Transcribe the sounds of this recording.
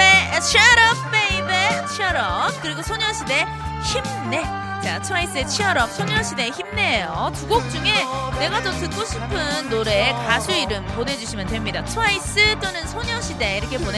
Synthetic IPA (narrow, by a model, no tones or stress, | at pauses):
et͡ɕʰɾʌb̚p͈eibet͡ɕʰiʌɾʌp̚k͈ɯɾiɡosʰoɲʌɕʰide̞ | çim | ne̞ | t͡ɕat͡ɕʰais͈ɯet͡ɕʰiʌɾʌp̚sʰoɲʌɕʰide̞çimne̞jotuɡok̚t͡ɕ͈uŋe̞ne̞ɡat͡ɕʌtɯk̚k͈oɕʰipʰɯnːoɾe̞ːkasʰuiɾɯmpone̞d͡ʑuɕʰimjʌntwe̞mɲidat͡ɕʰoais͈ɯt͈onɯnsʰoɲʌɕʰide̞iɾʌkʰe̞pone